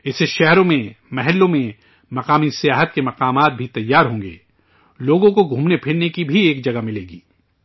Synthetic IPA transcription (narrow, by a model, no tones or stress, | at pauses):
ɪseʃɛɦɾõmẽmɛɦɛlːõmẽ | mɐqaːmisijaːɦət̪̚kemɐqaːmaːt̪̚bʱit̪ɐjːaːɾɦõːŋɡḛː | loːɡõkoɡʱũːmnepʰɪɽnekibʱieːkd͡ʒɐɡamɪleːɡiː